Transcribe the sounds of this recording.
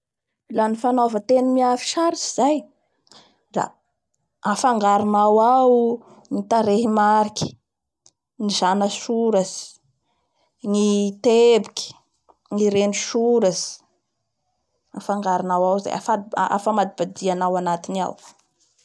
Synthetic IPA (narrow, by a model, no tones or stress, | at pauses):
lanifanovət̪enimiafi̥ʃaɾisi̥z̥aj | ra̰ | afaŋɡaɾunawaw | ŋit̪aɾeɦimaɾikʲi̥ | nizanəsuɾəsi̥ | ŋit̪ebukʲi̥ | ŋiɾeniʃuɾəsi̥ | afaŋɡaɾanawawza̰ja̰faʔa̰fəmad̪ibad̪ianawanat̪inia̰w